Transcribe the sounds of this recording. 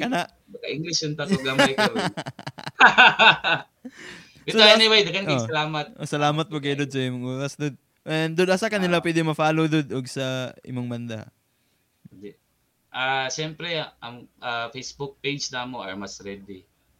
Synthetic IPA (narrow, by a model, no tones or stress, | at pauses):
kɐnaʔ | bɐkɐʔɪŋɡlɪsʊnt̪ɐkoɡamajo | ɪt̪oɛnɪwejd̪ɐkɐnosɐlaːmɐt̪̚ʔosɐlaːmɐt̪̚mok̬ɐjd̪od̪̚sɐɪmʊŋuːɾɐsd̪od̪̚ | ʔɛnd̪ʊd̪asakɐnɪlapwɛːd̪ɪŋmɐfaːlod̪ʊd̪ʔoɡsɐɪ̰moŋbɐnd̪a̰ | d̪ɛ | ʔaʃɛmpɾɛʔɐŋʔafejsbʊk̚pejd͡ʒnaːmoʔɐɹmɐsɾɛd̪ɪ